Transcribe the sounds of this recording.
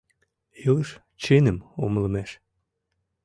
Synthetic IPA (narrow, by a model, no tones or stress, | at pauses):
eləʃ | t͡ɕenə̆momlɤ̆mæʃ